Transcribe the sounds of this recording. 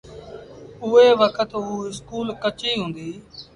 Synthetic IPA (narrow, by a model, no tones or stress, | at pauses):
ʊːeːʋəkʰət̪uːɪskuːlkət͡ʃiːɦʊ̃ːnd̪iː